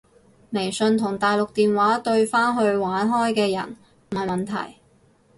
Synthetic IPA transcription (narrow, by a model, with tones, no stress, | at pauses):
me˨˩jsɵ˧nt̪ʰʊ˨˩ŋt̪aː˨jlʊ˨k̚t̪iː˨nwaː˨˥t̪ɵ˧ɥfaː˥nɦɵ˧ɥwaː˨˥nɦɔː˥jkɛː˧jɐ̰˨˩n | m̩˨˩ɐ˨˩jmɐ˨˩nt̪ʰɐ̰˨˩j